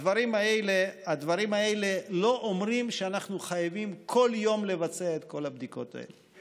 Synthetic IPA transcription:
dvaɾimaelead̪vaɾimaelelo̞ʔomʁimʃeanaχnuχajavimkʰo̞ljo̞mle̞vat͡seaet̪ko̞labd̪iko̞̰t̪a̰ḛle

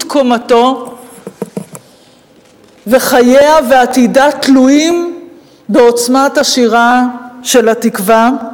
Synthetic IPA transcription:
kʰo̞mato̞ | ve̞χajeaveatidatluim | beo̞t͡smataʃiʁaʃe̞latikva

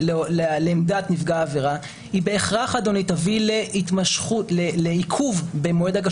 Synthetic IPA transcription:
lelleːmdat̪nifɡaːveʁa | hibe̞ːχʁaχad̪o̞nitavileitmaʃχutleleikʰuvbemoe̞daɡa

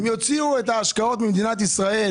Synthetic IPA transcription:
mjot͡siuɛtaːʃkaɔtmɪmd̪inat̬isʁaɛ

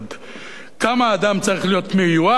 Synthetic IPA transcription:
d̪ | kamaːd̪amt͡saʁiχlijo̞t̪mijua

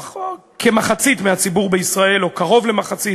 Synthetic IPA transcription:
kʰemaχat͡sit̪meat͡sibuʁbeisʁae̞lokaʁo̞vle̞maχat͡sit

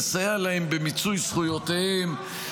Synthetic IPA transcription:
sajalaembemit͡sujsχujotehem

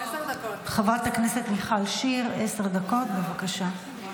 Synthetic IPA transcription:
χavʁat̪haknese̞t̪niχalʃiʁe̞seʁd̪ako̞tbe̞vakaʃa

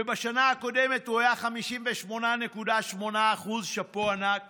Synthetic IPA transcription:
ebaʃanaːko̞de̞me̞tuhajaχamiʃimveʃmo̞nane̞kudaʃmo̞naːχuzʃapoanak

